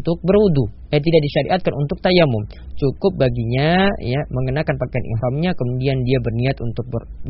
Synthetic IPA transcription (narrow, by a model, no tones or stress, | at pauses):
t̪ʊk̚bərudu | jat̪̬idaʔdiʃaɾḭʔat̪̚kanunt̪ʊk̚t̪ajamʊm | t͡ʃukʊp̚baɡiɲajaməŋənakanpakajanʔɪ̰ɦɾɔmɲakəmudiandiabərniat̪unt̪ʊk̚bər